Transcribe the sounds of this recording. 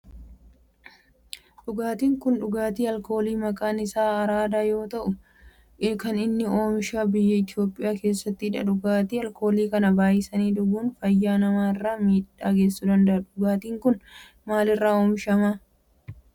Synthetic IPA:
ᶑʊɡaːt̪iːŋkʊnᶑʊɡaːt̪iːɐlko̞ːliːmɐkʼaːnɪsaːɐɾaːd̪aːjo̞ːt̪ɐʔʊ | kɐnɪnːɪo̞ːmʃaːbɪjːɛɪt̪ɪjo̞ːpʼːɪjaːke̞ːsːɐt̪ːɪɪᶑɐ̰ᶑʊɡaːt̪iːɐlko̞ːliːkɐnɐbaːjɪsɐniːd̪ʊɡuːnfɐjːaːnɐmaːɪrːaːmiːᶑaːɡe̞ːsːʊd̪ɐnd̪ɐʔɐᶑʊɡaːt̪iːŋkʊn | maːlɪrːaːoːmʃɐmaː

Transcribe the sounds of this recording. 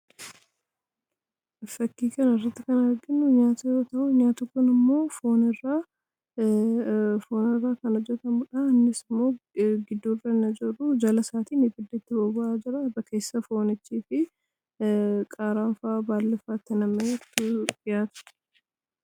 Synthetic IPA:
fɐkːiːkɐnɐɪrːɐt̪ːɪkɐnɐɾɡɪnːʊɲaːt̪ɐjo̞ːt̪ɐʔʊɲaːt̪ʊkʊnɪmːo̞ːfo̞ːnɪrːaː | fo̞ːnɪrːaːkɐnɔd͡ʒːɛt̪ɐmʊᶑɐɐnːɪsɪmːo̞ːɡɪd̪ːoːrɐnɐd͡ʒɪrʊd͡ʒɐlɐsaːt̪iːnɪbɪd̪ːɛt̪ːɪbɐbʊʔaːd͡ʒɪɾɐbɐkʰe̞ːsːɐfo̞ːnɪt͡ʃːiːfɪ | kʼaːɾaːɱfaːbaːlːɪfaːt̪ːɪnɐmːɐjɛt̪ːʊɡɪjaːt̪ʊ̥

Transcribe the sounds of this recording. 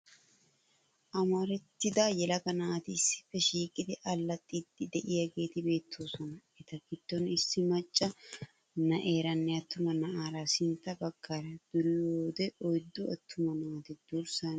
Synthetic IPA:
ʔɐmɐɾɛt̪ːɪd̪aːjɛlɐkɐnɐʔːt̪ɪɪsːɪ̥fːɛʃiːkʼɪd̪ɪʔɐlːɐt̪ʼːid̪ɪd̪ɛʔɪjɐɡe̞ːt̪ɪbe̞ːt̪ʰːoːsɔnɐɛt̪ɐɡɪd̪̥ːɔnɪsːɪmɐt͡ʃʼːɐ | nɐʔe̞ːɾɐnːɛɐt̪ːʊmɐnɐʔaːɾasɪnt̪ːɐbɐɡːaːɾɐd̪̥ʊɾɪjoːd̪ɛʔɔjd̪ːʊɐt̪ːʊmɐnɐaːt̪ɪd̪̥uɾsɐn

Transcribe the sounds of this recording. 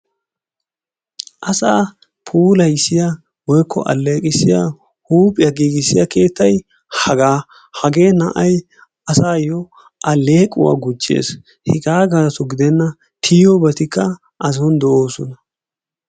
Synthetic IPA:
ʔɐsaː | pʰuːlɐjsɪja | wɔjkʰːɔ̰ʔɐ̰lːe̞ːkʼɪsɪja | huːpʼɪjɐɡiːɡɪsɪjɐke̞ːt̪ːɐj | hɐɡaː | hɐɡe̞ːnɐʔɐj | ɐsaːjɔ | ʔɐlːe̞ːkʼʊwa̰ːɡʊt͡ʃʼːe̞̰ːs | hɪkʼaːɡaːsɔɡɪd̪ɛnːɐ | t̪ʰiːɔbɐt̪ɪkːɐ | ʔɐz̬ɔnd̪ɛoːsɔnɐ

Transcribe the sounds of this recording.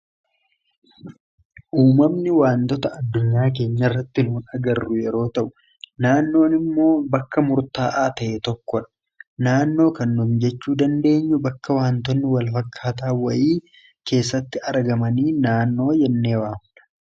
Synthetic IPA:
ʔuːmɐmnɪwaːnt̪ɔt̪ɐɐd̪ːʊɲːaːk̬e̞ːɲːɐrːɐt̪ːɪnuːnɐɡɐrːʊjɛɾo̞ːt̪ɐʔʊ̥ | naːnːo̞ːnɪmːo̞ːbɐkːɐmʊɾt̪aːʔaːt̪ɐʔɛt̪ɔkːɔᶑɐ̥ | naːnːo̞ːkɐnːumd͡ʒɛt͡ʃːuːd̪ɐnd̪e̞ːɲːʊbɐkːɐwaːnt̪ɔnːɪwɐlfɐkʰːaːt̪aːwɐʔiː | ke̞ːsːɐt̪ːɪɐɾɡɐmɐniːnaːnːo̞ːjɛnːe̞ːwaːmᶑɐ̥

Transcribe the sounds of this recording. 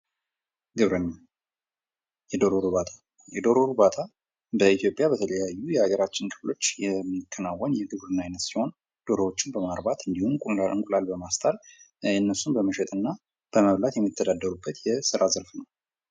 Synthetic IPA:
ɡɨβɾəɲːa | jɛd̪oɾoɾuβat̪ʰḁ | jɛd̪o̞ɾoɾubat̪ʰʼa | bəit̪ʰjo̞pʼːjabət̪ʰələjajːujɛaɡəɾat͡ʃːɪnkʰʼɨflo̞t͡ʃːjɛmːikʰːənawːənjɛɡɨβɾɨnːajɛnət̪siho̞n | d̪̥o̞ɾowo̞t͡ʃːɪnbəmaɾbat̪ɨnd̪ihumkʼunlaɾʔɨ̰ŋkʼulalbəmast̪ʰʼalɨnːəsːunbəməʃɛt̪ʼɨnːa | b̥əməβlat̪jɛmːit̪ʰːəd̪ad̪ːəɾubːət̪jɛsɨɾazəɾfnəw

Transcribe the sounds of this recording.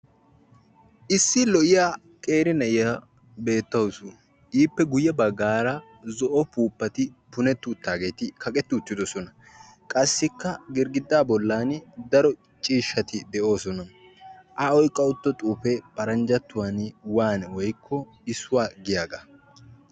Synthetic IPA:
ʔɪsːɪlɔʔɪjaː | kʼe̞ːɾɪnɐʔɪjɐ | be̞ːt̪ːɐwsʊ | ʔiːpːɛɡʊjːɐbɐɡːaːɾɐ | zɔʔɔpuːpːɐt̪ɪpʊnɛt̪ːʊːt̪ːaːɡe̞ːt̪ɪkʰɐkʼɛt̪ːʊʊt̪ːɪd̪ɔsɔnɐ | kʼɐsːɪkːɐɡɪɾɡɪd̪ːaːbɔlːaːnd̪ɐɾɔ | t͡ʃʼiːʃːɐt̪ɪd̪ɛʔo̞ːsɔnɐ | ʔɐɔjkʼːɐʊt̪ːɔt̪ʼuːpɛpɐɾɐnd͡ʒɐt̪ːʊwanwaːnwɔjkʰːɔ | ɪsʊwaːɡɪjaːɡɐ

